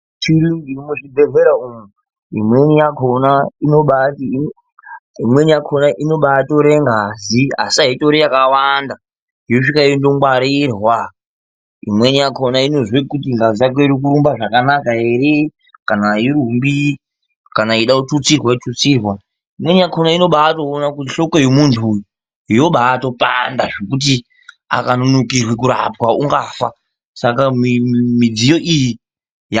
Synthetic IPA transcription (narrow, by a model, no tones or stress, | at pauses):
t͡ʃiɾiŋɡimuʐibʱeɮeɾaumu | ḭmwe̞nijakʰonaino̞ɓati | imwe̞nijakʰonaʔino̞ɓato̞ɾeŋɡazia̰siaɦito̞ɾijakawanda | ioʂikaiondomwaɾirwa | ḭmwe̞nijakʰonaino̞zwekutiŋɡazijak̬oiɾik̬uɾumbaʐakanakaeɾe | kanaiɾumbi | kanaiɗautut͡sirwaitut͡sirwa | imwe̞nijakʰonaino̞ɓaːto̞ːnakutiɬo̞ko̞jemuntʰu | ijo̞ɓaːto̞pa̰ndaʐekut̬i | a̰kanonokirwek̬uɾa̰pwauŋɡafa | sakamimid͡zijo̞ʔiji | j